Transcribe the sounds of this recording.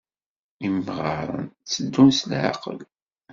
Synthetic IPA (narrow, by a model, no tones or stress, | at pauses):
imʁɑ̰ɾˤə̰nt͡sːəd̪ːunslʕa̰qə̰l